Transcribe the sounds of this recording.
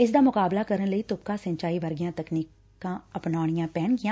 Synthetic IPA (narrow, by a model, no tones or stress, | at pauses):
ɪsd̪aːmʊkaːblaːkəɾənləiːt̪ʊp̚kaːsə̃ɲt͡ʃaːiːʋəɾɡɪjãːt̪əkniːk | ãːəpnaːɳ̃ɪjãːpɛːnɡɪjãː